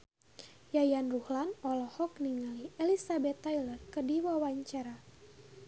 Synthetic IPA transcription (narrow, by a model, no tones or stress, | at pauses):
jajanruhlanɔlɔhɔk̚niŋaliʔelisabɛt̪ːajlərkərdiwawaɲt͡ʃaɾa